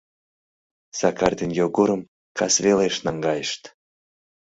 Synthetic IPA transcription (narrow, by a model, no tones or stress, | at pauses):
sɑkɑrd̪enjoɡuɾəm | kɑsβeleʃnɑŋɡɑjəʃt̪